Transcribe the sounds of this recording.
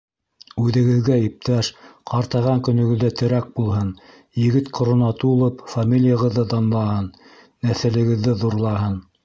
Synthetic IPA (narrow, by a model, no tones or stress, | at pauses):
ʉðɘ̆ɡɘ̆ðɡæip̚t̪æʃqɑɾt̪ɑʁɑŋkɵ̆nɵ̆ɡɵ̆ðːæt̪ʰɘ̆ɾæk̚bulˠɦɤn | jɘ̆ɡɘt̪qŏɾŏnɑt̪uulˠɤpfamʲilʲijəʁɤ̆ðːɤd̪ɑnlˠɑhɤnː | æθɘ̆lɘ̆ɡɘ̆ðːɘðuɾlˠɑɦɤn